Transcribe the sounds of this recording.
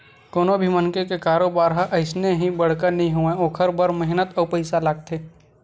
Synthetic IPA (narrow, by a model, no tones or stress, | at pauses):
koːnobʱimənkekekaːɾoːbaːɾɦəʔɐɪsneɦĩbɐɽ̤kəɾnɐɦĩɦuẽoːkʰəɾbəɾmɐɦɪnət̪ɔːpɐɪsalaːɡ̚t̪ʰeː